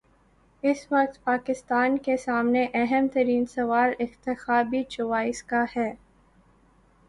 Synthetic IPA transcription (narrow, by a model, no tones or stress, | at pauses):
ɪsʋɐq̚t̪paːkɪst̪aːnkesaːmneʔɛɦəmt̪ɐɾiːnsɐʋaːɾɪxt̪ɪxaːbit͡ʃʊʋaːɪskahɛː